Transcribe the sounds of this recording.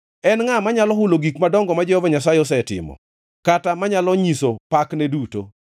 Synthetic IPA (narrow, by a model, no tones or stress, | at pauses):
ɛnŋamaɲalɔɦuloɡikmadɔŋɡɔmad͡ʒɔhɔvaɲasajɛɔs̬ɛtɪ̰mɔ̰ | katamaɲalɔɲisopaknɛduto̰